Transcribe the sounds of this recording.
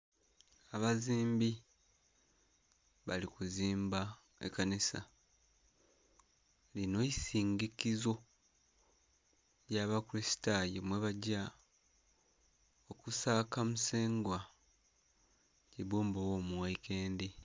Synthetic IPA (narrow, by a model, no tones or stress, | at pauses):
aβaziːmbi | βalikuziːmba | ḛkanisa̰ | lino̞isiːŋɡikizo̞ | jaːβakuɾisi̥tajemwe̞βaɟa | okusaːkamuse̞ːŋɡwa | ciβuːmbowo̞ːmuwaikʰe̞ːndi